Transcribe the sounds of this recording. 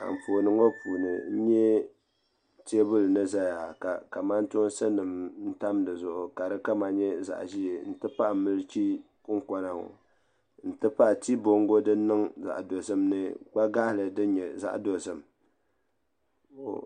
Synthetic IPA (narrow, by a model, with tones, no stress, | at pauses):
a̰˨m̩˨fo˨nɨ˦ŋo˦puː˨nɨ̰˨n̩˦ɲɛ˦ | te˦bʊ˦lnɨ˦za˦ja˨ka˨ka˨ma˦n˦tʊ˦n˦sɨ˦nɨ˨mn̩˦ta˦mdɨ˨zʊ˨ʔʊ˨ka˨dɨ˦ka˦ma˨ɲɛ˦za̰˨ʔʒi˦e˨n̩˦tɨ˦pa˦ʔa˨mɨ˦lɨ˦t͡ʃi˦ | kʊ˦ŋ˦kɔ˦na˨ŋo̰˨ | n̩˨tɨ˦pa˦ʔti˦bo˦ŋɡo˦dɨ˦nɨ˦ŋza̰˨ʔdo˨sɨ˦mnɨ˦k͡pa˦ɡa˦hlɨ˨dɨ˦ɲɛ˨za̰˦ʔdo˨sɨ˦m | o̰˨